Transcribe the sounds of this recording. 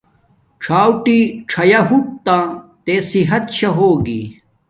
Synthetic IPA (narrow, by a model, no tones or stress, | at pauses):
ʈ͡ʂʰaːwʈiʈ͡ʂʰɐjɐɦuk̚t̪ãt̪esiɦɐt̪̚ɕʰɐɦoːɡḭ